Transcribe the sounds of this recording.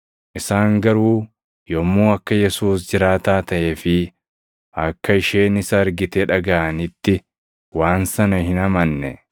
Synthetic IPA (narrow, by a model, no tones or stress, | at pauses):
ʔɪsaːŋɡɐɾuː | jɔmːuːɐkːɐjɛsuːsd͡ʒɪɾaːt̪aːt̪ɐʔeːfɪ | ɐkːɐɪʃeːnɪsɐːɾɡɪt̪eᶑɐɡɐʔɐnɪt̪ːɪ | waːnsɐnɐhɪnɐmɐnːɛ̰